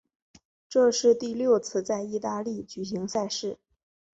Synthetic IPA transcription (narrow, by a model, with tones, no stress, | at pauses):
ʈ͡ʂɤ˥˧ʂɻ̩˥˧t̪i˥˧ljo˥˧ʊt͡sʰɹ̩˥˧t͡sa˥˧ɪi˥˧t̪a˥˧li˥˩t͡ɕy˨˩ɕi˧˥ŋsa˥˧ɪʂɻ̩˥˩